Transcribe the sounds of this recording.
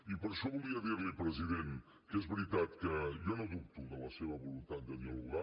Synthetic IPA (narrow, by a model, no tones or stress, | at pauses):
ipəɾʃɔβulˠiəðiɾlipɾəziðen | kezβɾit̪at̪kəʒɔnoðup̚t̪uðələseβəβulunt̪at̪̚d̪əðiəluɣa